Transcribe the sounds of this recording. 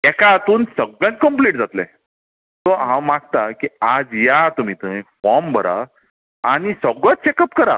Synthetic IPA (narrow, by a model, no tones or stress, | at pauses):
ɛkaːt̪uːnsəɡɭjãnt̪̚kəmpliʈd͡zat̪lḛ̃ | t̪ɔɦãmaɡt̪akiad͡zjat̪um̤it̪ə̃fɔɾmbʱəɾa̰ | aɽ̃isəɡɭə̃t͡st͡ɕɛkəp̚kəɾa̰